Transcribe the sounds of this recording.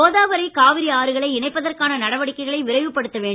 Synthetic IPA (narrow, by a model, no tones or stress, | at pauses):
oːðaːʋɐɾɐɪkaːʋɪɾiaːɾɯɣɐɭɐɪɪnɐɪpːɐðɐrkaːnɐnɐɽɐʋɐɽɪkːɐɪɣɐɭɐɪʋɪɾɐɪʋɯpːɐɽɯt̪ːɐʋeːɳ